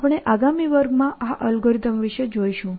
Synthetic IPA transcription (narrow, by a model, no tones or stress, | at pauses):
pɽ̃eʔaɡamiʋəɾɡmãʔaʔəlɡoɾit̪əmʋiʃəd͡ʒojʃũ